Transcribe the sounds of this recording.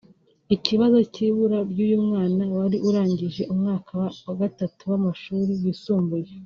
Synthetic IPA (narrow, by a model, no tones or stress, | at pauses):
iciβazo̞ciːβuɾabɟuːjumŋaːnawaɾiʔuɾaːɲɟiʒe̞ʔumŋaːkʰawaɡatatuwamaʃuːɾijisuːmbuje